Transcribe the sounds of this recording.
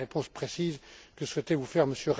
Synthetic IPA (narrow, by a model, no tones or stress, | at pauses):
epɔ̃spχesizkəswɛt̪evufɛʁməsjøʁ